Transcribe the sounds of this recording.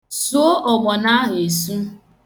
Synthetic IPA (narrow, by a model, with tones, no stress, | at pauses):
su˦o˦ʔɔ˨ɡ͡bɔ˨na˦ɦe˨su˦